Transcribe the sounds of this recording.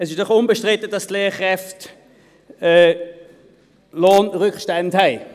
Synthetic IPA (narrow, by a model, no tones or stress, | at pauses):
ɛsɪʃdɔχʊnbəʃtʁɪtədɑstleːχʁɛft | ɛː | loːnʁʏkʃtɛndhɛɪ